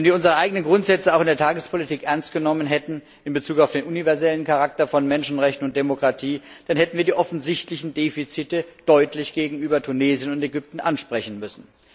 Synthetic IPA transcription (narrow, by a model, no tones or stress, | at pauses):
vɛnviːɐʊnzəʁəʔaɪɡənənɡʁʊntz̥ɛt͡səaʊxɪndeːɐtʰaːɡəspʰolitʰiːkʔɛɐnstɡ̥ənɔmənɦɛtn̩ | ɪnbət͡suːkaʊfd̥eːnʔunivɛɐzɛlənkʰaʁak̚tɐfɔnmɛnʃn̩ʁɛçtn̩ʊnt̚d̥emokʁ̥atʰiːd̥anhɛtn̩viːɐdiɐʔɔfn̩zɪçtlɪçn̩deːfit͡sitəd̥ɔʏtʰlɪçɡ̥eːɡŋ̩yːbɐtʰuneːzjənʊntɛɡʏp̚tn̩ʔanʃpʁ̥ɛçn̩mʏsn̩